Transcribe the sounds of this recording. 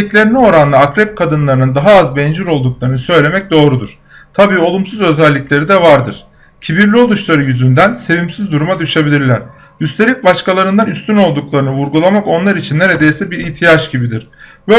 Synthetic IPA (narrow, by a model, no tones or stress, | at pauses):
iclʲeɾinio̞ɾanlˠaːkɾɛp̚kʰad̪ɯnlˠaɾɯnɯnd̪aɦaazbɛnd͡ʒyɾo̞lˠd̪uklˠaɾɯnɯsø̞jlʲe̞mɛc̚d̪o̞ːɾud̪uɾ̥ | t̪ʰabiːo̞lˠumsuzø̞zɛlʲːicʲlʲe̞ɾid̪ɛvaɾd̪ɯɾ̥ | cʰibiɾlʲio̞lˠuʃlˠaɾɯjyzynd̪ænse̞vimsizd̪uɾumad̪yʃe̞bilʲiɾlʲæɾ̥ | ɟyst̪ʰe̞lʲic̚baʃkalˠaɾɯnd̪anyst̪yno̞lˠd̪uklˠaɾɯnɯvuɾɡulˠamako̞nlˠaɾit͡ʃʰinːe̞ɾed̪ejsɛbiɾiçt̪ʰijat͡ʃɟibid̪iɾ̥bø